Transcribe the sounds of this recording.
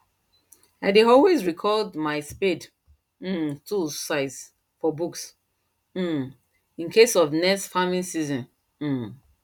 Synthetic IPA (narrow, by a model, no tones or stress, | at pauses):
aɪdeɔlwezɹikʰɔldmaɪsped | m̩tʰusaɪs | fɔbuks | m̩ | ĩnkʰesɔvnɛsfamĩnsizɔ̃n̩